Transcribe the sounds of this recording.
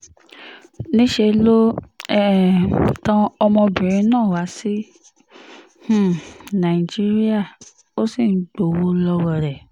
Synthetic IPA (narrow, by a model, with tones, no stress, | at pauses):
nĩ˦ʃe˧lo˦ɛ˦tã˧ɔ˧mɔ̃˧bĩ˨ɾ̃ĩ˧˦nãː˦˨wa˨˦si˦ | h̩˦˨nã˨i˨d͡ʒi˦ɾi˦a˦˨ | o˦si˦˨n̩˨˦ɡ͡bo˨wo˦lɔ˧wɔ˧˨ɾɛ˨